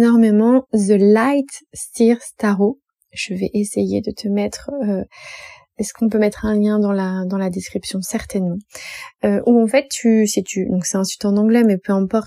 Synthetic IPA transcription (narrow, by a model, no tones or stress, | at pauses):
nɔʁmemɑ̃zəlajt̪st̪iʁst̪aʁo | ʒ̥əvɛʔesejḛd̪ət̪ʰəmɛt̪χø | ɛskɔ̃p̬ømɛt̪χɛ̃ljɛ̃d̪ɑ̃lad̪ɑ̃lad̪eskχipsjɔ̃sɛʁt̪ɛnmɑ̃øʔuɑ̃fɛt̪ːysit̪ʰyd̪ɔ̃ksɛɛ̃syt̪ɑ̃nɑ̃ɡlɛmɛpøɛ̃pɔʁt̪